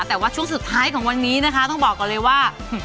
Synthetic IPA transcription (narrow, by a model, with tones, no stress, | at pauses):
t̪ɛː˨˩waː˥˩t͡ɕʰu˥˩əŋsu˨˩t̪ʰːaː˦˥jkʰɔː˩˦ŋwa˧nːiː˦˥na˦˥kʰa˦˥t̪ɔ˥˩ŋbɔː˨˩k̚ːɔː˨˩lɤː˧jwaː˥˩˨